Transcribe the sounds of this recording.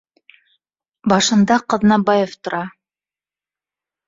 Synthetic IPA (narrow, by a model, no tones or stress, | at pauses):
bɑʃɤ̆nd̪ɑqɤ̆ðnɑbɑjoft̪ŏɾʔɑ